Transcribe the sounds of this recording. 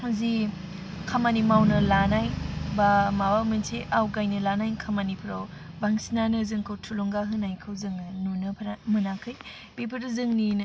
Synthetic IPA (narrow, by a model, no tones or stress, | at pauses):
muzi | kʰamanimawnɐlanajbamawamɯnsʰiʔawɡajnɯlanajkʰamanipʰɾow | baŋsinanɯzɯŋkʰɯwtʰuloŋɡaɦɯnajkʰɯwzɯŋnɯnunɯpʰɾamɯnakʰɯj | bipʰɯɾɯzɯŋnin